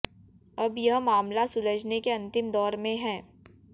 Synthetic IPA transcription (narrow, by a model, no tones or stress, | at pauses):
ɐbjɐɦmaːmlasʊɾəd͡ʒnekeɐ̃nt̪ɪmd̪ɔːɾmẽɦɛ̃ː